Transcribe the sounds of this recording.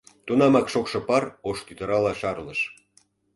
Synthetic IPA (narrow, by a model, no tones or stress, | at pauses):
t̪unɑmɑkʃokʃɤ̆pɑroʃt̪yt̪ə̆ɾɑlɑʃɑrləʃ